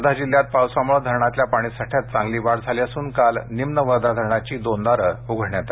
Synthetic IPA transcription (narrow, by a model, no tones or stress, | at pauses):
d̪ʱad͡ʑiljat̪̚pawsʋamɭəd̪ʱəɾɳat̪ljapaɽ̃isaʈʰjat̪̚t͡sãŋɡliːʋaɽd͡zʱaliəsuːnkalnimnəʋəɾd̪ʱad̪ʱəɾɳat͡ɕiːd̪ond̪aɾəuɡʱəɳjat̪a